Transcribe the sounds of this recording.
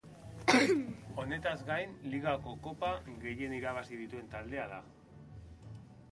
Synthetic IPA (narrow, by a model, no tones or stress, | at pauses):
o̞ne̞t̪azɡajnliɣako̞ko̞paɣe̞je̞niɾaβasið̞it̪ue̞nt̪ald̪e̞aða